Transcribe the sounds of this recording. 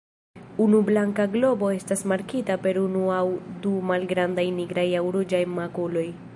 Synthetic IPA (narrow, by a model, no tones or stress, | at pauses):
unublaŋkaɡlo̞bo̞e̞stasmaɾkitape̞ɾunuawdumalɡɾandajniɡɾajawɾod͡ʒajmakulo̞j